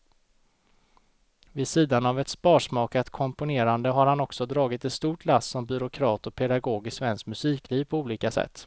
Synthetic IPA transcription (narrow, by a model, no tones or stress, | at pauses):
vɪsiːd̪anavɛt̪spɑːʂmɑːkat̪kʰɔmpʊneːɾand̪əɦaɾhanɔksɔd̪ɾɑːɡɪt̪ɛnst̪uːʈʰlasːɔmbʏɾʊkʰɾɑːt̪ɔpʰɛd̪aɡoːɡɪsvɛnskmɵsiːkliːvpʰɔuːliːkasɛ̰t̪ː